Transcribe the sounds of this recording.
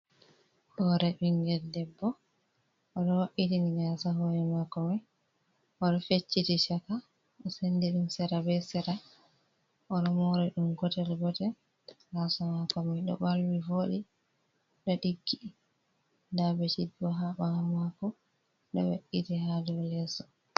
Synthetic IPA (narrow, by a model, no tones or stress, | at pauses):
hɔɾɛɓiŋɡɛdɛbːɔ | ʔɔɗɔwaʔitiniɡasaɦɔɾɛmakːɔmɛ | ʔɔɗɔfet͡ʃːitit͡ʃaka | ʔɔsendiɗumsɛɾabɛsɛɾa | ʔɔɗɔmɔɾɛɗumɡɔtɛlɡɔtɛ | ɡasamakːɔmɛɗɔ̰balwivoɗi | ɗɔɗiɡːi | dabɛt͡ʃibɔɦaɓamakɔ | ɗɔ̰wa̰ʔːitihadɔlɛsɔ